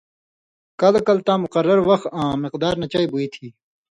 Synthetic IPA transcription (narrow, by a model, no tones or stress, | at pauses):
kɐlkɐlt̪ãːmʊqɐɾːɐɾʋɐxãːmɪqd̪aːɾnɐt͡ɕaːibuit̪ʰiː